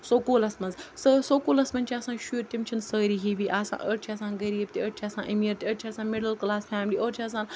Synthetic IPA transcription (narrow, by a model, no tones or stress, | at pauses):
soːkoːlɐsmɐnzsəsokoːlɐsmɐnʲt͡ʃʰiaːsãːnʃuːɾt̪imt͡ʃʰinsəːɾiːɦiːʋiːʔaːsã̰ːʔəʈt͡ʃʰiɐːsãːnɡɐɾiːb̚t̪iəʈt͡ʃʰiaːsã̰ːʔɐmiɾt̪iəʈt͡ʃʰiaːsãːnmɪɽəlklaːsfaːmliːʔoːɾt͡ʃʰiaːs̬ãːn